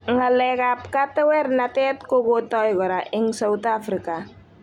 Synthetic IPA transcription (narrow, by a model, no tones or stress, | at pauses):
ŋalɛkap̚kat̪ɛwɛɾnat̪ɛt̪koɡot̪ɔjɡɔɾaʔɪŋsaut̪afɾika